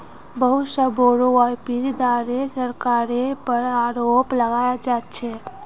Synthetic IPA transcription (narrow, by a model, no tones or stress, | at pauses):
bəɦusəboɾoajpiɾd̪aɾesəɾkaɾepəɾaɾopləɡajad͡ʒat̪t͡ʃʰe